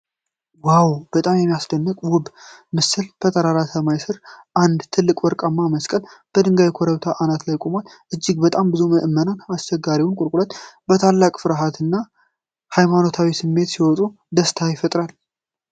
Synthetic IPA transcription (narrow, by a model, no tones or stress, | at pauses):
wawb̥ət̪ʼamjɛmːijasd̪ənːɨkʼwʊbmɨsɨlbʰət̪ʰʼəɾaɾasəmajsɨɾʔand̪t̪ʰɨlːɨkʼwɔɾkʼamːaməskʼəlb̥əd̪ɨŋɡajkʰoɾəβt̪ʰaʔanat̪lajkʼomal | ʔɨd͡ʒːɪɡbət̪ʼambɨzuməʔɨmːənanast͡ʃɛɡːaɾiwʊnkʼʊɾkʼulət̪bət̪ʰalːakʼfɨɾaɦat̪ʰɨnːa | hajmano̞t̪ʰawisɨmːe̞t̪siwɔt̪ʼu | d̪əst̪ʰajɪfət̪ʼɾal